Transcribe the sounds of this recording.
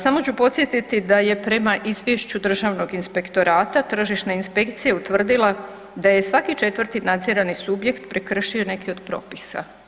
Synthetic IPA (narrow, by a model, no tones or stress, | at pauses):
samo̞t͡ɕupo̞t̪sje̞t̪it̪id̪aje̞pɾe̞maʔizʋjeʃt͡ɕud̪r̩ʒaʋno̞ɡinspe̞kt̪o̞ɾaːt̪at̪r̩ʒiʃnainspe̞kt̪sijeut̪ʋr̩d̪ilˠa | d̪aje̞sʋakit͡ʃe̞t̪ʋər̩t̪inad̪zeɾanisubje̞kt̪pɾekr̩ʃio̞ne̞kio̞d̪pɾo̞̰ːpisa̰